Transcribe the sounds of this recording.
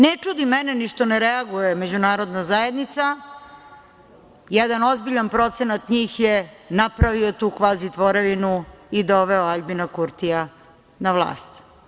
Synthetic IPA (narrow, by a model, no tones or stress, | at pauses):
net͡ʂud̪imɛneniʃt̪oneɾeaɡujeme̞d͡ʑunaːɾod̪nazajed̪nit̪sa | jɛd̪ano̞zbiʎanpɾo̞t̪senat̪ɲiːxjenapɾaʋiot̪uːkʋaːzit̪ʋo̞ɾeʋinuid̪oʋeoaʎbinakuɾt̪ija | naʋlˠa̰ːst̪